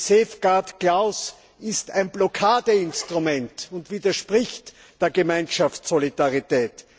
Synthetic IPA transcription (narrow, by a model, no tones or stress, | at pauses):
seːfɡ̥aɐtklaʊs | ɪstæɪnblɔkʰaːdəɪnstʁumɛntʊntv̥iːdɐʃpʁɪçt | d̥eːɐɡəmæɪnʃaftsolidaʁitɛːt